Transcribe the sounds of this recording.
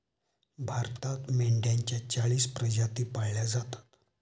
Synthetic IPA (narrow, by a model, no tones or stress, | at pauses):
bʱaɾt̪at̪meɳɖjãɲt͡ɕjat͡ɕaɭiːspɾəd͡ʑat̪iːpaɽljad͡zat̪ḁt̪